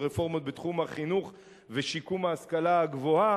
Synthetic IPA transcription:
ʁefo̞ʁmo̞t̪̚bet̪χumhaχinuχ | veʃikumaːskalaaɡvo̞a

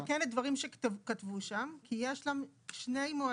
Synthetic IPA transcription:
kenedvaʁimʃekat̪vuʃamkijeʃlamʃne̞jmoa

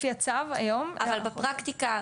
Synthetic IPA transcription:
jat͡sava̰jo̞mavalbapʁakt̪ika

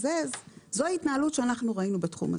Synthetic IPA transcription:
zezzoaitnaalutʃeanaχnuʁainubetχṵma̰

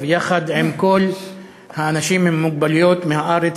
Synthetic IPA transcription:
vjaxad̪ʕemkol | haʔanaʃiːmːɪmːʊɡ̚baljoːt̪mehaʔaːɾet͡s

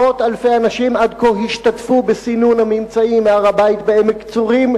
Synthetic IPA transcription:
o̞t̪alfejanaʃimad̪koɦiʃt̪at̪fubesinunhamimt͡saimeaʁabait̪̚beemekt͡suʁim

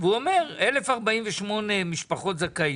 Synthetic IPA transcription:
veuomeʁelefaʁbaimveʃmo̞nemiʃpaχo̞t̪zakai

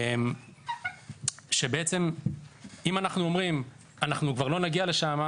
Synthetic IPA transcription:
em | ʃe̞beet͡se̞m | imanaχnuo̞mʁim | anaχnukvaʁlo̞naɡiale̞ʃama

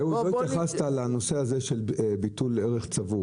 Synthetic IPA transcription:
euloit̪jaχastalano̞seazeʃe̞lbituleʁeχt͡savu

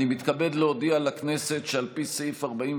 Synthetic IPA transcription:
nimit̪kabe̞d̪leodialakne̞se̞tʃealpisejfaʁbaim

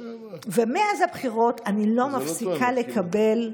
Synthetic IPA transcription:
vemeazabχiʁo̞tanilo̞mafsikʰale̞kʰabe̞l

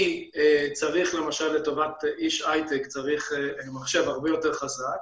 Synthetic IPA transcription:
t͡saʁiχle̞maʃalːe̞to̞vatiʃajt̪ekt͡saʁiχmaχʃe̞vhaʁbejo̞te̞ʁχazak

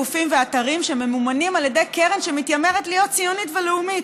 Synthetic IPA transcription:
ufimveataʁimʃeme̞mumanimaljede̞jkeʁenʃemitjame̞ʁetlijo̞t̚t͡sijonitveleumit

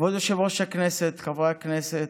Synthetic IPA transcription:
od̪oʃevoʃakneset̪kavʁaakneset̪

